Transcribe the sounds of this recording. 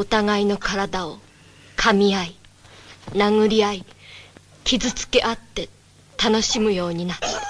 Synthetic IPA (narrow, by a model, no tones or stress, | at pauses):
o̞t̪aɡaino̞kaɾad̪ao̞ | kʰamʲiai | naŋɯ̟ɾʲiai | kʲizɨt͡sɨ̥ke̞ʔat̪ːe̞ | t̪ano̞ɕimɯ̟jo̞ːɲ̟inat̪